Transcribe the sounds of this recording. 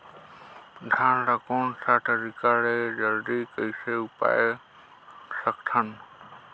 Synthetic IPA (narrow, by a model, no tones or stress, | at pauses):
d̪ʱãnɾəkonsaʈʰəɾikaled͡ʒəld̪ikəjseupa̰e | səkt̪ʰən